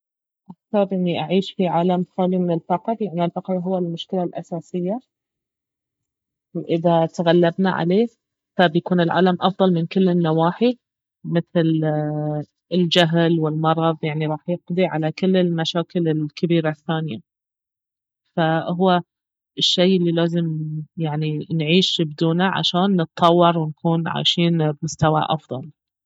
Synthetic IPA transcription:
ʔak̚θɑɾˤʔɪnːiʔaʕiːʃfiʕaːlamxaːlimɪnɪlfɑqɾjaʕniɪlfɑqɾɦʊwːalmʊʃkɪlalʔa̰saːsɪjːa | wʔɪðat̪aɣalːabna̰ʕa̰leː | fabjakuːnɪlʕa̰ːlamʔɑfðˤɑlmɪnkɪlːɪnːawaːħi | mɪθl | ɪld͡ʒaɦlwɪlmɑɾˤɑðˤjaʕniɾˤɑːħjɪqd̪ˤiʕa̰lakɪlːɪlmaʃaːkɪlɪlkɪbiːɾaθːaːnja̰ | faɦʊwːa | ɪʃːejʔɪlːilaːzɪmjaʕninʕiːʃbd̪uːnaʕa̰ʃaːnːɨt̪ʰˤːɑwːɑɾˤwɪnkʰuːnʕa̰ːʃiːnbmʊst̪awa̰ʔɑfðˤɑl

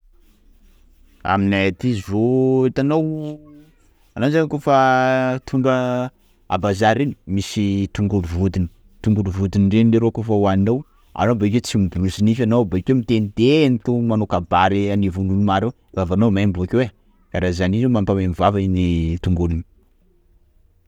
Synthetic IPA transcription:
a̰minaat̪izoet̪anow | anazaŋakofat̪ʰuɳɖ͡ʐa | a̰bazaɾeni̥misit̪uŋɡuluvud̪ini̥ | t̪uŋɡuluvud̪iniɳɖ͡ʐenileɾokofawanow | a̰nobek̬ʲet͡simid̪ulusinifanobakʲewmit̪enid̪enit̪umanokabaɾianivunulumaɾe | vavanomajmbuakewe | kaɾazanizomampamamivavainit̪uŋɡulini

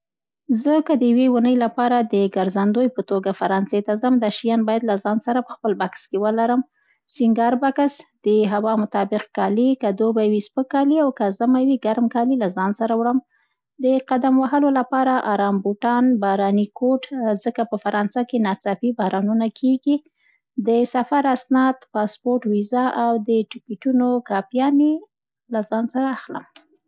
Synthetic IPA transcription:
zəkəd̪əjwewunəjlapɑɾad̪əɡaɾzand̪ojpət̪oɡafaɾɑnset̪azəmd̪aʃijɑnbɑjad̪lazɑnsaɾapə̥xpəlbakskewəlaɾəm | sɪŋɡɑɾbakasd̪̥əɦawɑmʊt̪ɑbɪq̚kɑlikad̪obajwispəkːɑliawkazamawiɡaɾmkɑlilazɑnsaɾawɽəm | d̪əqad̪amwaɦəlolapɑɾaʔɑɾɑmbuʈɑnbɑɾɑnikʰoʈzəkapəfaɾɑnsakenɑt͡sɑpibɑhɾʔɑnunakʰeɡi | d̪əsafaɾasnɑd̪pɑspoɾʈwizaʔawd̪əʈikiʈunokɑpjɑne | lazɑnsaɾaːxlə̰m

